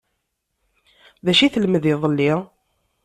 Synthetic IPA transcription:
ðæʃiθəlməðiðˤəlːi

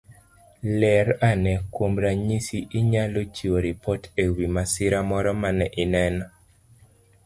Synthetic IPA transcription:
lɛɾanɛkwomɾaɲisiʔiɲalot͡ʃiwoɾipɔtewimasɪɾamɔɾɔmanɛʔɪnɛnɔ

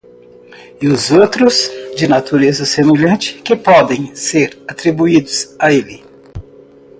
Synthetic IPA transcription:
ɪʊzowt̪ɾʊzd͡ʒɪnat̪uɾezɐsemeʎɐ̃nt͡ʃɪ̥kɪpɔd̪ẽj̃seɾat̪ɾibuid̪ʊsaelɪ

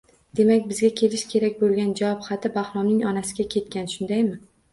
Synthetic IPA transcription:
d̪̥e̞makʲbɪzɡʲakʲʰe̞lɪʃkʲʰe̞ɾakʲbolˠɡʲand͡ʒavɒpχɑt̪ʰɪbaχɾɒmnɪŋɒnasɪɡʲakʲʰe̞t̪̚kʲanʃʊnd̪ajmɪ

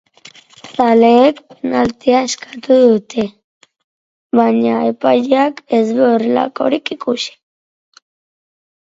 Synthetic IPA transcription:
saleːkpenalt̪eaeskḁt̪uðut̪e | βaɲaepajeakezβeorela̰ko̞̰ɾikikusi̥

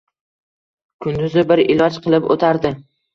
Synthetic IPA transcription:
kʰʊnd̪ʊzɪbɪɾɪlɒt͡ʃqʰɨlˠɪpot̪ʰaɾd̪ɪ

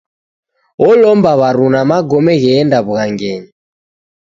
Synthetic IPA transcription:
ɔlɔmbaβaɾunamaɡɔmɛɣɛːndaβuɣaŋɡɛɲi

